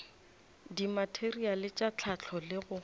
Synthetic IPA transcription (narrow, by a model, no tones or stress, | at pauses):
dimatʰerialɪt͡ʃʼat͡ɬʰat͡ɬʰɔlɪɣʊ